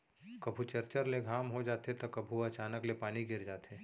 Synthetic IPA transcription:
kɐbʱut͡ʃɐɾt͡ʃəɾleɡʱaːmɦod͡ʒaːt̪et̪okɐbʱuɐt͡ʃaːnəklepaːniɡɪɾd͡ʒaːt̪eː

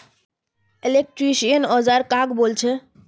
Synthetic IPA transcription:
elek̚ʈɾiʃiənɔzaɾkakbolt͡ʃʰe

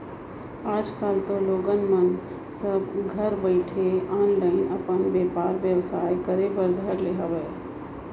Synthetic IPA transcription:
aːd͡ʒkaːlt̪oloːɡənmən | səbɡʱəɾbəɪʈʰeaːnləɪnəpənbeːpaːɾʋjəwsaːjkəɾebəɾd̪ʱəɾleːɦəʋeː

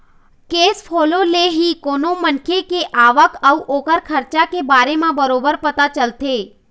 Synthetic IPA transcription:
keːspʰoːloleɦikoːnomənkʰekeʔaːʋəkəuʔoːkəɾkʰəɾt͡ʃakebaːɾemãbəɾoːbəɾpət̪at͡ʃəlt̪eː

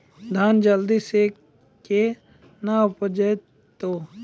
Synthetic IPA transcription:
d̪ʱaːnd͡ʒəld̪ise | ke | naʊpəd͡ʒəj | t̪o

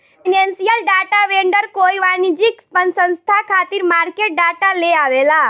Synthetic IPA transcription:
inensijəlɖaʈaʋeɳɖəɾkojʋanid͡ʒikspənsə̃ñst̪ʰakʰat̪iɾmaɾkeʈ̚ɖaʈaleaʋela

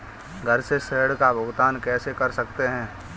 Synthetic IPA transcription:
ɡʱɐɾseseːɽkabʱʊɡt̪aːnkɛːsekɐɾsɐk̚t̪eɦɛ̃ː

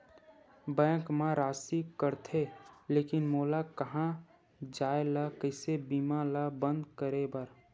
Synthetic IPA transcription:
bɛ̃ːkmãɾaːsikəɾt̪ʰeleːkɪnmoːlakəɦã | d͡ʒaːelakəɪsebiːmalabə̃nd̪kəɾebəɾ

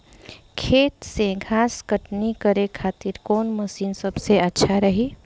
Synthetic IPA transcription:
kʰeːt̪seɡʱaːskəʈnikəɾekʰaːt̪iɾkɔːnməsiːnsəbseətːʃʰaɾəɦi

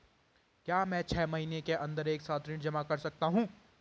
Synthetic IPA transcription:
kjaːmɛ̃ːt͡ʃʰɛːmɐɦiːnekeʔɐ̃nd̪əɾeːksaːt̪ɾɪʈd͡ʒɐmakɐɾsɐk̚t̪aɦũː

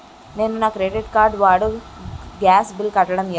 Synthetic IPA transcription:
meːmunaːkɾeːɖiʈkaːɾɖʋaːɽu | ɡaːsbilkɐʈːɐɽɐmj

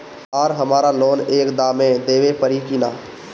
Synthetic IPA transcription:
aːɾɦəmaːɾaloːneːkd̪aːmẽd̪eːʋepəɾikinaː

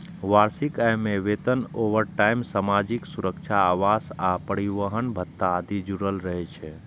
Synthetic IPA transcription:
ʋaɾsikajmeʋet̪ənoʋəɾʈaimsamad͡ʒiksuɾəkt͡ʃʰaːʋasapəɾiʋəɦənbʱət̪ːaːd̪id͡ʒuɾəlɾəɦɛt͡ʃʰɛ

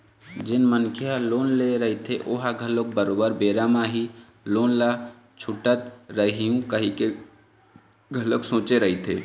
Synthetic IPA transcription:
d͡ʒɪnmənkʰjaloːnleɾəɦit̪ʰeʔoɦaɡʱəlok̚bəɾoːbəɾbeːɾamaɦi | loːnla | t͡ʃʰʊʈət̪ɾəɦijũkəɦike | ɡʱələksõːt͡ʃeɾəɦit̪ʰḛː

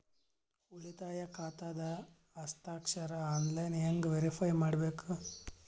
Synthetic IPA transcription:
uɭit̪aːjɐkʰaːt̪aːd̪ɐː | st̪aːkʂɐɾɐaːnlɐjneŋɡʋeɾipʰɐjmaːɽbeːku

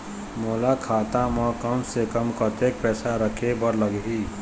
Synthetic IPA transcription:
moːlakʰaːt̪amɔ̃kəmsekəmkət̪ek̚pɛːsaɾəkʰebəɾləɡɦiː

